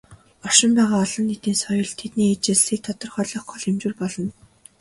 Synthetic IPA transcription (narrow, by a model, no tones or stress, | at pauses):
ɔʃɪ̆mpæːʁaːɔɮɞ̆nːet̪iːnsɔjɞ̆ɮt̪ʰet̪niːet͡ɕɪ̆ɮɮiːk̚t̪ʰɔt̪ɞ̆rχɔɮɞ̆χɔɮemt͡ɕŭːrpɔɮɞ̆n